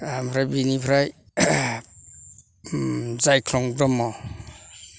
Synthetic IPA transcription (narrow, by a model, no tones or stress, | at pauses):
ampʰɾajbinipʰɾaj | zajkʰlɔŋbɾɔmɔ